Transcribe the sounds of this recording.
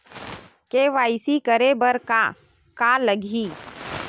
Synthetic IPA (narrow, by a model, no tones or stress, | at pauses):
keʋaːɪsikəɾebəɾka | kaləɡʱi